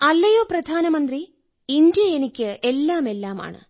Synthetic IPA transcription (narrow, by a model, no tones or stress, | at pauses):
ɐlːɐjo̞ːprɐd̪ʱaːnɐmɐnd̪ri | ind̪jɐenikʲːɨelːaːme̞lːaːma̰ːɳɨ̰